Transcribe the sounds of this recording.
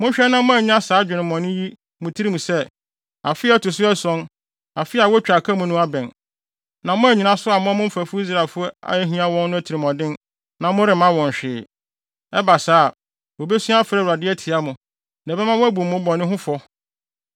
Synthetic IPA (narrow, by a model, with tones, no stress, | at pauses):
mʊ̃˦ɲ˦ɕᶣɛ˦nã˦mʊ̃˦æ˨ɲɪ̃˦a˦saː˨˦d͡ʑᶣɪ˨nɪ̃˨mɔ̃˨nʊ̃˦ji˦ | mʊ̃˨tʰi˦i˦mũ˨sɛ˦ | a˨fɪ˦ɛ˦tʊ˨s̬ʊ˦ɛ˦sɔ̃˦n | a˨fɪ˦a˨wɔ˦t͡ɕᶣa˨kʰa˦mʊ̃˦nʊ̃˦a˦bɛ̃˨n | nã˨mʊ̃˦æ˨ɲi˨nã˦sʊ˦a˨mʊ̃˦a˦mʊ̃˦m̩˦fæ˨fʊ˦i˦s̬ɾa˨lfʊ˦ɔ˦a̰˨jɛ˦ɦĩ˦a˦wɔ̃˦nː˦ʊ̃˦æ˦tʰi˨ɾi˨mɔ̃˨dɪ̃˦n | nã˨mʊ̃˦ɾɪ˨mã˦wɔ̃˨ɲ˨ɕᶣɪː˨ | ɛ˦ba˨saː˦˨ | wo˨be˦sĩ˦a˦fɾɛ˦˨wɾa˨dɪ˦ɛ˦tʰɪ˨a˦mʊ̃˨ | nɛ̃˨bɛ˦mã˦ʊ̃˦æ˦bu˨mʊ̃˦bɔ̃˨nːɪ̃˦ɦʊ̃˦fɔ˦